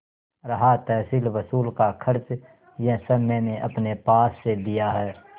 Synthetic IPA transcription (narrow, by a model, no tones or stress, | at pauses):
ɾɐɦat̪ɛːsiːlʋəsuːlkakʰəɾt͡ʃ | jɛ̃ɦsəmɛ̃ːneʔɐpnepaːsːed̪ijaɦɛː